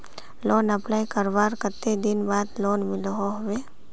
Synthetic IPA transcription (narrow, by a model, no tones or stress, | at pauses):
loːnɐplaːikəɾʋaːɾkət̪ːed̪ɪnbaːd̪loːnmɪlɦoɦʊweː